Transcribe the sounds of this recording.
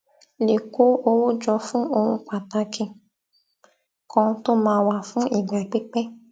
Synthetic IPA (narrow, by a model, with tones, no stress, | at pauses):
le˨ko˦o˧wo˦d͡ʒɔ˧fũ˦o˧hũ˧k͡pa˨ta˧kʰĩ˧ | kʰɔ̃˧to˦mãː˦wa˦˨fũ˦ʔi˦˨ɡ͡ba˨k͡pe˦k͡pɛ˦